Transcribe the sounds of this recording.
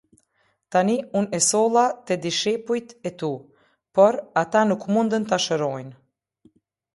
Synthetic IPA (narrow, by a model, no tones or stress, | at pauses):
t̪aniunɛsɔlˠat̪ɛd̪iʃɛpujt̪ɛt̪u | pɔɾat̪anukmund̪ənt̪aʃəɾɔjn